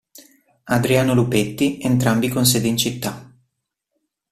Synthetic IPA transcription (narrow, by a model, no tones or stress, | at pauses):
ad̪ɾiaːnolupet̪ːient̪ɾambikons̬ɛːd̪eint͡ʃit̪ːa